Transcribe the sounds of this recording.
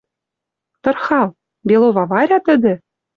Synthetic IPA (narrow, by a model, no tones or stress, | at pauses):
t̪ɤ̆rxɑlˠ | bʲelˠovɑvɑɾʲɑt̪ɘ̆d̪ʲɘ̆